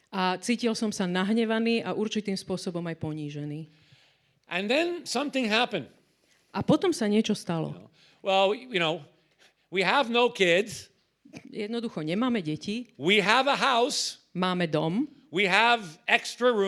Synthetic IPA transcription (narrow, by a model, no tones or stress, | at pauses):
ʔat͡siːcilsɔmsanaɦɲɛʋaniːʔaʔuɾt͡ʃit̪iːmspʊɔsɔbɔmajpɔɲiːʒɛniː | ʔɨ̃nðɨ̃nsʌ̃mθɪ̃ŋɦæpɨ̃nd̥ | ʔapɔt̪ɔmsaɲɪɛt͡ʃɔst̪alɔ̰ | wɛlˠjɨñoʊ | wiəvnoʊkʰɪdz̥ | jɛd̪nɔd̪uxɔɲɛmaːmɛɟɛciwiəvəɦaʊs | maːmɛd̪ɔmwiəvɛkstɹ̥əɹũ